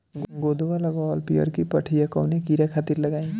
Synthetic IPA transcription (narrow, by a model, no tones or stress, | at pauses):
ɡod̪owalaɡɔlpijʌ̰ɾkipʌʈʰijakʌwnekiɾakʰat̪iɾlʌɡaj̃